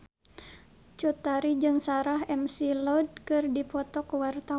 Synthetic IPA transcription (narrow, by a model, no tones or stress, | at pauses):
t͡ʃut̪aɾid͡ʒɨŋsaɾaɦɛmsilɔd̚kɨrdipɔt̪ɔkwart̪a